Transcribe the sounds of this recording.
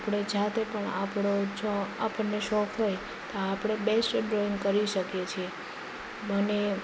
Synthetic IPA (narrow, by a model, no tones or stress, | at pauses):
pɽ̃ed͡ʒat̪epəɳa̰pɽot͡ʃʰoapənːeʃɔkʰɦoj | t̪oapɽ̃ebesʈɖɾoinkəɾiʃəkjet͡ʃʰie | bəne